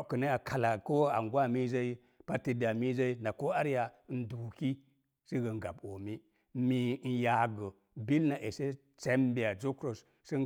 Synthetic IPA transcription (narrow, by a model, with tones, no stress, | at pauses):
kə˨na˦a˨kʰa˨la˨ko˦wo˦a̰˨ŋɡwa˦mi˦za˦i˦ | pa˦ti˨da˨mi˦za˦i˦na˨ko˦a˦ɾja˨˦n̩˦du˨ki˦ | si˦ɡə˨ŋ˦ɡa̰˨bo˨mi˦ | mi˨˦n̩˦ja˨ɡə˨ | bi˦lna˨ʔe˨se˦ | t͡se˦mbi˨a˨d͡ʒo˦kɾo˨s | sə˦